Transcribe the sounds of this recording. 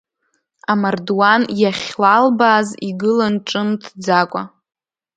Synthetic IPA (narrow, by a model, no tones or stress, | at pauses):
amardwanjaχʲlalbaːziɡɨlanʈ͡ʂʼɨmtʰd͡zakʷʼa